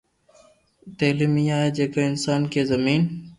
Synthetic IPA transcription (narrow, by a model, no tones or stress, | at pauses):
t̪eːlimijaːed͡ʒeːkaːɪnsaːnkeːzəmiːn